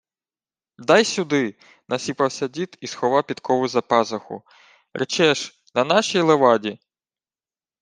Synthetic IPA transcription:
d̪ɑjsʲud̪ɪ | nɐsʲipɐwsʲɐdʲit̪isxɔʋɑwpʲid̪kɔʋʊzɐpɑzɐxʊ̰ | ɾet͡ʃɛʃ | nɐnɑʃijlˠeʋɑdʲi

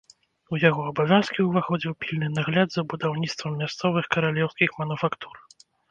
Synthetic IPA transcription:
ujaɣɔɐbavʲjanskʲiwvaxɔd͡zʲiwpʲilʲnɨnaɣlʲad̪zɐbud̪awnʲit̪st̪vɐmːʲast̪sɔvɨxkɐɾalʲɛwskʲixmɐnufakt̪u̥r

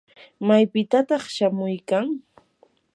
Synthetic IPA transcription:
majpɪt̪at̪ɑχʃamʊjkaŋ

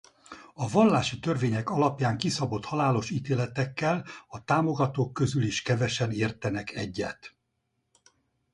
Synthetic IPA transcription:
ɒvɒlːaːʃit̪ørveːɲɛkɒlɒpjaːŋkisɒbo̞t̪hɒlaːlo̞ʃiːt̪eːlɛt̪ɛkːɛlɒt̪aːmo̞ɡɒt̪oːkːø̞zyliʃkɛvɛʃɛneːrt̪ɛnɛkʰɛɟːɛ̰t̪

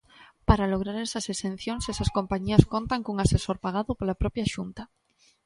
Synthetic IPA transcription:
paɾaloɣ̞ɾaɾesasesen̟θjoŋsesaskompaɲiaskont̪aŋkuŋasesoɾpaɣ̞aðopolapɾopjaʃunt̪a

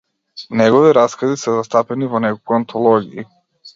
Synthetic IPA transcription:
nɛɡɔviɾaskazisɛzast̪apɛnivɔnɛkokuant̪ʰɔlˠɔɡii

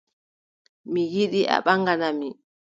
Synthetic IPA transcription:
mijiɗiʔa̰ɓaŋɡanami

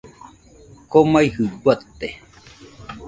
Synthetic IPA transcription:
komaihɯɡʷat̪ːe

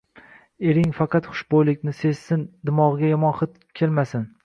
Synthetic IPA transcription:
e̞ɾɪŋfɑqʰɑt̪χʊ̥ʃbojlɪkʲnɪse̞ssɪnd̪ɪmɒʁɨɡʲajɒmɒnχɨt̪ | kʲʰelmasɪn

